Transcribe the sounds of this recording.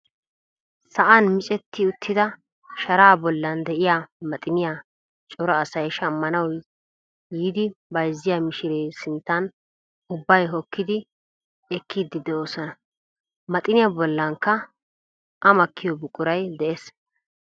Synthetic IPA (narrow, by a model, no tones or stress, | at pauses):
sɐʔɐnmɪt͡ʃʼɛt̪ːɪʊt̪ʰːɪd̪ɐ | ʃɐɾaːbɔlːɐnd̪ɛʔɪjaːmɐt̪ʼɪnɪja | t͡ʃʼɔɾɔːsɐjʃɐmːɐnɐw | jiːd̪ɪbɐjzːɪjamɪʃɪɾeːsɪnt̪ːɐn | ʊbːɐjɦɔkːɪd̪ɪ | ɛkːid̪ːɪd̪ɛoːsɔnɐ | mɐt̪ʼɪnɪjabɔlːɐŋkːɐ | ʔɐmɐkʰːɪjɔbʊkʼʊɾɐjd̪ɛʔes